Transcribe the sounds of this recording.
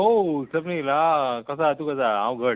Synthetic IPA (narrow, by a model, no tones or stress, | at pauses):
ɦosəpnilakəs̬at̪ukəs̬aãw̃ɡʱəɽ